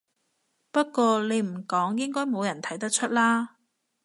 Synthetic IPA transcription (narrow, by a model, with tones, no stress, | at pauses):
pɐ˥t̚kʷɔː˧le˨˧jm̩˨˩kɔː˨˥ŋjɪ˥ŋkɔː˥jmo˨˧wjɐ˨˩nt̪ʰɐ˨˥jt̪ɐ˥k̚t͡ʃʰɵ˥t̚laː˥